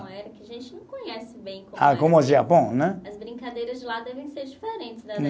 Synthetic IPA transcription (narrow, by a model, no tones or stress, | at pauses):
ɛɾɐkɪɐʒẽnt͡ʃɪnɐ̃w̃kõɲɛsɪbẽj̃kkõakõmʊaziapõnɛɐzbɾĩŋkad̪ejɾɐzd͡ʒɪlad̪ɛvẽj̃seɾd͡ʒifeɾẽnt͡ʃɪznɛ